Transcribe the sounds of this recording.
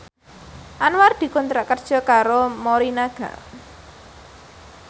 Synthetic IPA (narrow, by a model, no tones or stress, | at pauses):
ʔanward̪̥i̤kunt̪ɾaʔkərd̥ʒ̥ɔ̤kaɾomoɾinaɡ̥ä̰